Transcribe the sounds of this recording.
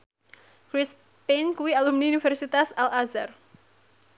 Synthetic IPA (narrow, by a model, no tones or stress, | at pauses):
kɾis | penkuwialumniunifɛrsit̪asalazar